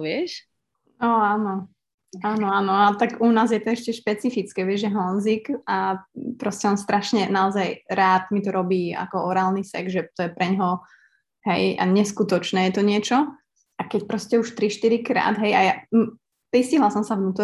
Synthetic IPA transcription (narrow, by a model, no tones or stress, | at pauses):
ʋɪɛʃ | ɔaːnɔ | aːnɔaːnɔat̪aɡunaːzjɛt̪ɔɛʃcɛʃpɛt͡sifit͡skɛːʋɪɛʒʒɛɦɔnzikapɾɔscɛɔnst̪ɾaʃɲɛnaɔzajɾaːt̪mit̪ɔɾɔbiːa̰kɔɔɾaːlˠnisɛ̰ɡʒɛt̪ɔjɛpɾɛɲɦɔ | ɦɛja̰ɲɛskut̪ɔt͡ʃnɛːjɛt̪ɔɲɪɛt͡ʃɔ | ʔakɛc̚pɾɔscɛuʃt̪ɾiʃt̪iɾikɾa̰ːd̪ɦɛjaja | pɾisciɦlalˠsɔmsavnuːt̪ɔ